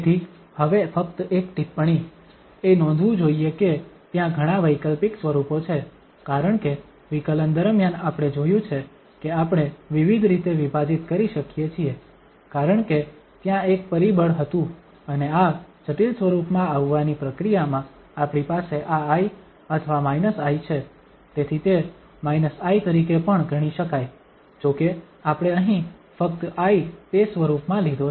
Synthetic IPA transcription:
t̪ʰi | həʋefək̚t̪ekʈipːɳ̃i | enɔ̃nd̪ʱʋũd͡ʒoijeket̪jãɡʱəɽ̃aʋəjkəlpiksʋəɾupot͡ʃʰe | kaɾəɳke | ʋikələnd̪əɾmjanapɽ̃ed͡ʒojũt͡ʃʰe | keapɽ̃eʋiʋid̪ʱɾit̪eʋipad͡ʒit̪kəɾiʃəkijet͡ʃʰie | kaɾəɳke | t̪jãek̚pəɾibəɽɦət̪ũ | ənead͡ʒəʈilsʋəɾupmãaʋːanipɾəkɾijamã | apɽ̃ipaseʔaːi | ət̪ʰəʋamainəsajt͡ʃʰe | t̪et̪ʰit̪e | mainəsait̪əɾikepəɳɡʱəɽ̃iʃəkaj | d͡ʒoke | apɽ̃eəɦĩfək̚t̪ait̪esʋəɾupmãlid̪o

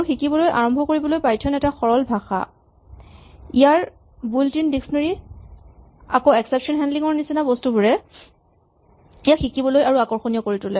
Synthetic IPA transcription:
uxikibɔlojʔa̰ɹɔmbʱɔkoɹibɔlojpajtʰɔnɛtaxɔɹɔlbʱaxa̰ | ijaɹ | bultindiksnɔɹi | akoɛksɛpsɔnɦɛndliŋɔɹnisinabɔstubuɹɛ | ijaxikibɔlojaɹuakɔɹxonijɔkoɹitulɛ

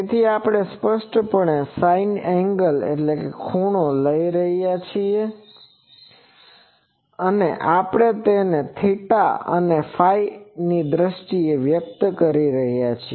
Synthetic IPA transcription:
et̪ʰiapɽ̃espəʃʈpəɳ̃esainɛ̃ŋɡəlḛʈlekekʰuɳoləiɾəɦijat͡ʃʰie | əneʔapɽ̃et̪enet̪ʰiʈa̰ə̰nefʰainid̪ɾəʃʈieʋjək̚t̪kəɾiɾəɦjat͡ʃʰi

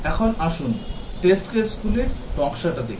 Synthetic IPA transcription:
ɛkʰonaʃunʈesʈkeskulepɔkʃaʈad̪ekʰ

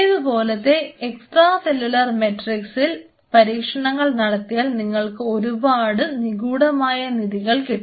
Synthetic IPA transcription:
ɐðubo̞ːlɐt̪ːe̞eksʈraːse̞lːulɐrmeʈriksil | pɐɾiːkʂɐɳɐŋːɐɭnɐɽɐt̪ːijaːlniŋːɐɭkɨo̞ɾubaːɽɨniɣuːɽɐmaːjɐniðiɣɐɭke

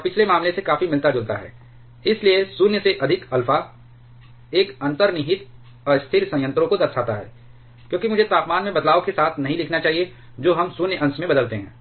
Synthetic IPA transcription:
pɪt͡ʃʰlemaːmlesekaːfimɪlt̪ad͡ʒʊlt̪a̰ɦɛ̰ː | ɪsliesʊnjəseʔɐd̪ʱɪkɐlfa | eːkɐ̃nt̪əɾnɪɦɪt̪ | ɔɾst̪ʰɪɾsɐ̃jə̃nt̪ɾõkod̪ɐɾsaːt̪aɦɛ̰ː | kjõːkimʊd͡ʒʱet̪aːpmaːnmẽbɐd̪laːokesaːt̪ʰnɐɦĩlɪkʰnat͡ʃaːɦie | d͡ʒoːɦɐmsʊnjəʔɐ̃nsmẽbɐd̪əlt̪eɦɛ̰̃ː

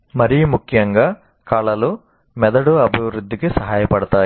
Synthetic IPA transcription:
mɐɾijumukʰjɐŋɡaː | kɐɭɐlu | mɛd̪ɐɽuɐbʱiʋɾud̪ʱːikisɐɦaːjɐpɐɽɐt̪aː

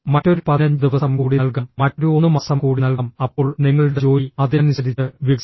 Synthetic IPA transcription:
mɐtːo̞ɾupɐðɐnd̪iʋɐsɐmkuːɽiɐlkɐmmɐtːo̞ɾuonːumɐsɐmkuːɽinɐlkɐmɐpːo̞ːɭniŋːɐɭuɽeo̞ːjiɐd̪enusɐɾit͡ɕːɨʋik

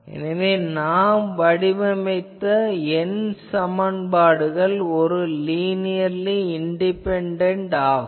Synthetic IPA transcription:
ɛ̰nɐʋeːnaːmʋɐɽɪmɐmɐɪt̪ːɐɛnsɐmɐnbaːɽɯɣɐɭɔɾɯliːnɪjɐɾliɪɳɖɪpɛɳɖɐɳʈaː

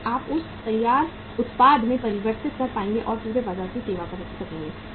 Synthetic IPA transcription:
aːpʊst̪ɐjːaːɾ | ʊt̪paːd̪ʱmẽpɐɾɪʋəɾt̪ɪt̪̚kɐɾpaːẽːŋɡeʔɔːɾpuːɾebaːzaːɾkiseːʋapɐɾɐkʰisɐkẽːŋɡeː

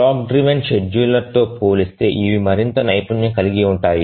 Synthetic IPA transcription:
aːk̚ɖɾiʋɐnt͡ʃed͡ʒːulːɐt̪o̞ːpoːlist̪e̞̰ːʔiʋimɐɾint̪ɐnɐjpunjɐkɐliɡiuɳʈaːji

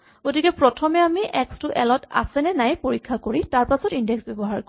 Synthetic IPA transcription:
ɡotikɛpɹɔtʰɔmɛamiʔɛkstʊʔɛlɔta̰sɛnɛnajpoɹikʰːakoɹitaɹpasɔtindɛksbɔbɔɦaɹko

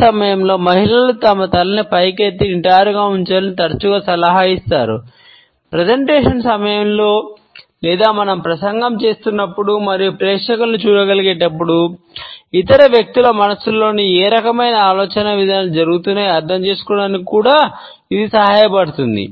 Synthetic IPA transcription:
sɐmɐjɐmlo̞ːmɐɦilɐlut̪ɐmɐt̪ɐlɐnipɐjket̪ːiiɳʈɐːjɾuɡaːuɲt͡ʃaːlɐnit̪ɐɾɐt͡ʃuɡaːsɐlɐɦaːist̪aːɾṵ | pɾed͡ʒɐɳʈeːʂɐnsɐmɐjɐmlo̞ː | lɛːd̪aːmɐnɐmpɾɐsɐŋɡɐmt͡ʃe̞ːst̪unːɐpːuɽumɐɾijupɾɛːkʂɐkɐlnut͡ʃuːɽɐɡɐliɡɛːʈɐpːuɽu | it̪ɐɾɐʋjɐk̚t̪ilɐmɐnɐsulːo̞ːnieːɾɐkɐmɐjnɐaːlɔːt͡ʃɐnɐʋid̪ʱaalud͡ʒɐɾuɡut̪uneɐɾd̪ʱɐmt͡ʃe̞ːsu̥kɔːɽaːnikkuːɽaː | id̪isɐɦaːjɐpɐɽut̪und̪ḭ

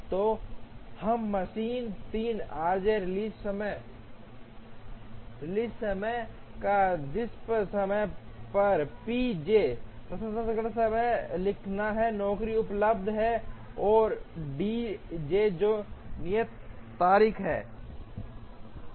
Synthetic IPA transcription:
t̪oːhɐmːəʃiːnt̪iːnaːɾd͡ʒeɾɪliːsəmə | ɾɪliːssəməj | kad̪ɪspsəməj | pɐɾpid͡ʒepɾɐsəsəɡəɽsəməlɪkʰnaɦɛnɔːkɾiʊpləb̚d̪ʱɦɛ | ɔːɾɖid͡ʒeːd͡ʒoːnɪjət̪ː | aːɾiːkʰɦɛ̰ː

